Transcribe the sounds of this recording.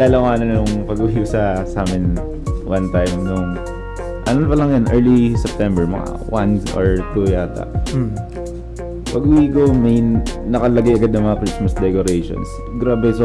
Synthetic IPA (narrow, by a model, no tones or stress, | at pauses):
lalɐwaːnɐnjʊŋpɐɡʊjusɐsaːmɪn | wʔant̪ajmnʊŋ | ʔɐnonpɐlɐŋjanʔɛɹlisɛp̚t̪ɛmbɛɹmɐ̰ŋa̰ | wa̰no̰ɹt̪ujaːt̪a̰ʔ | pɐɡwikomɐjnɐkɐlɐɡajʔɐɡad̪̚ɐŋmɐŋɐkɾismɐsd̪ɛkoɾejʃo̰ns | ɡɾabɛs